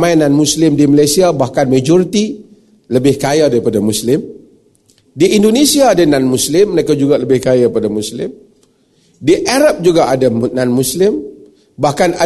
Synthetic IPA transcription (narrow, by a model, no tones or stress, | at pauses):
majnanmuslɪmdiməlajsiabahkanmad͡ʒɔɾit̪i | ləbɪhkajadaɾipadamuslɪm | diindonesiaːdananmuslɪmːɾekad͡ʒuɡaləbɪhkajapadamuslɪ̰m | diʔaɾap̚d͡ʒuɡaʔadananmuslɪm | bahkana